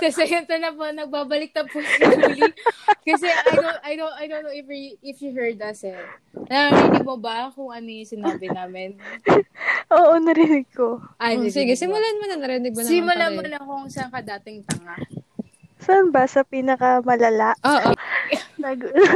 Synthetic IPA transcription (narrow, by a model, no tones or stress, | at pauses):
kɐsɛɛnt̪ɐnɐponɐɡ̚baːbɐlɪk̚t̪ɐbpʊɐulkɐs̬ɛɐjd̪oɐjd̪oɐjd̪ownːowʔɛfiɪfjuɦɛɹd̪̚ɐsɛ | nɐɾɛːd̪ɪmobɐkʊŋɐnɪsɪnːbɪnaːmɪn | ʔoːʔonɐɾɪnɪɡ̚ko̞ʔasɪɡɪsɪmʊlanmɐnɐŋnɐɾɪnɪɡ̚moɪmʊlamɐnɐkoŋsɐŋkɐd̪aːt̪ɪŋt̪ɐŋa | sɐnbasɐpiːnɐkɐmɐlɐlaʔʔoʔonɐɡ